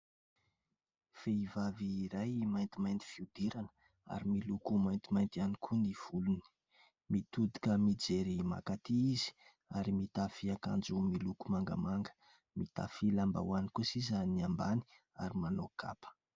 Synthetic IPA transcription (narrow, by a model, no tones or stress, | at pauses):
feivaviːɾajmajnt̪imajnt̪i̥fiud̪iɾanə | a̰ɾimilukumajnt̪imajnt̪ianikʰuniv̥uluni̥ | mit̪ud̪i̥kəmid͡zeɾima̰kat̪iizi̥ | aɾimit̪afiaka̰nd͡zumilukumaŋɡə̰maŋɡə̥ | mit̪a̰filamba̰wanikusizaniambani̥ | a̰ɾimanokʰa̰pə̥